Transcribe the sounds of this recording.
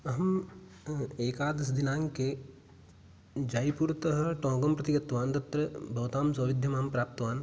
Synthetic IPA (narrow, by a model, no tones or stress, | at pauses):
ɐɦɐm | eːkaːd̪ɐs̬d̪inaːŋke | d͡ʒaːjpuːɾt̪ɐɦɐʈõːɡɐmpɾɐt̪ɪɡɐt̪ʋaːnt̪ɐt̪ɾɐbʱɐʋt̪aːmsɐːʋɪd̪ʱjɐmaːmpɾaːp̚t̪ʋaːn